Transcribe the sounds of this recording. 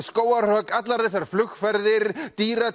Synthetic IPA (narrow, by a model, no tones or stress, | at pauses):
skoːwar̥rœːkat̪laɾ̥θɛs̬ːaɾ̥flʏxfɛɾðɪɾt̪iːɾa